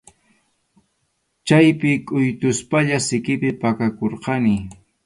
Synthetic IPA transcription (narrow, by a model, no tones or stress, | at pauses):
t͡ʃajpɪkʼʊjt̪ʊspaʎasɪkɪpɪpakakoɾqɑnɪ